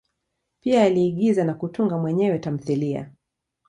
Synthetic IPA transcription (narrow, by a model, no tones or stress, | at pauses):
piaːliːɠizanakutuŋɡamwɛɲɛwɛtam̩θilia̰